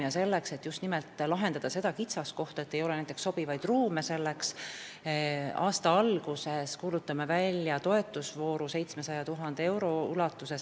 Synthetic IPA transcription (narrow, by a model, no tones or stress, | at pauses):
iɑse̞lːekse̞t̪ːˑjust̪nimelt̪ːˑlɑɦe̞nd̪ɑd̪̥ɑse̞d̪̥ɑkit̪sɑsko̞ht̪ɑet̪ːe̞jo̞le̞næjt̪eksːo̞b̥ivɑjd̪̥ruːme̞se̞lːeks | ɑːst̪ɑɑlɡuse̞skuːlut̪ːˑɑmevælʲːjɑt̪o̞e̞t̪ːˑusvo̞ːɾuse̞jt̪smesɑjɑt̪uɦɑnd̪ee̞wɾo̞ylɑt̪ːuse̞s